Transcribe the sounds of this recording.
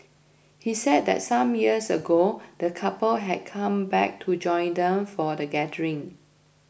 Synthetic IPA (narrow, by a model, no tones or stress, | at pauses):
hisɛd̚dɛ̰t̚sãmjiəsəɡod̥əkʰapəlɦɛd̚kʰãmbɛ̰k̚tʰud͡ʒɔ̃ɪ̃ndɛ̃mfɔdəɡɛdəɹĩŋ